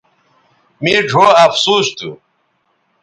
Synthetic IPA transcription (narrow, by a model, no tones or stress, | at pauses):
miːɖʱoːɐfsuːst̪ṵ